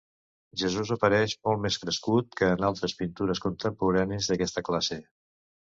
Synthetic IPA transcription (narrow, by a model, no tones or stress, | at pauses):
ʒəzuzəpəɾɛʃmɔlˠtmeskɾəskut̪̚kəːnalˠt̪ɾəspint̪uɾəskunt̪əmpuɾanizðəkɛst̪əklase